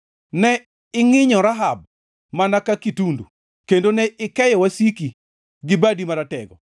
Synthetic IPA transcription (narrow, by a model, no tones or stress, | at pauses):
nɛ | ɪŋɪɲɔɾaɦab̚ | manakakitundṵ | kendonɛɪkɛjɔwasiki | ɡɪbadimaɾatɛɡɔ